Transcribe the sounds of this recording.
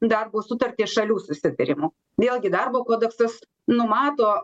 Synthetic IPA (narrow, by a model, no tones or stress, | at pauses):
d̪ɐrboːsʊt̪ɐrʲt̪ʲeːʃɐlʲuːsʊsʲɪt̪ɐɾʲɪmuː | ʋʲeːlˠɡʲɪd̪ɐrboːkoːd̪ɛksɐs | nʊmɑːt̪oː